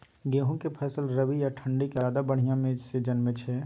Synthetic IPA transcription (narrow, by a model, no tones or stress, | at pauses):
ɡeɦũkepʰɛsəlɾəbijaʈʰəɳɖikeaːd̪abəɽ̤ijãmẽsid͡ʒənmẽt͡ʃʰɛ